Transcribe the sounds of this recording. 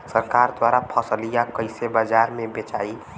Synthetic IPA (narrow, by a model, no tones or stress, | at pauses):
səɾkaɾd̪waɾapʰəsəlijakəɪsebəd͡ʒaɾmebet͡ʃai